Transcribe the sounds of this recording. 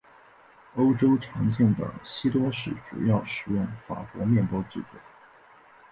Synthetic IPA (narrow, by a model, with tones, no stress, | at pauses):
o˥ʊʈ͡ʂo˥ʊʈ͡ʂʰɑ˧˥ŋt͡ɕjɛ˥˩nd̪ə̰˨˩ɕi˥t̪wɔ˥ʂɻ̩˥˩ʈ͡ʂṵ˨˩jɑ˥˩ʊʂɻ̩˨˩jʊ˥˩ŋfa̰˨˩kwɔ̰˧˥mjɛ˥˩npwɔ˥t͡s̩˥˩t͡swo˨˩˦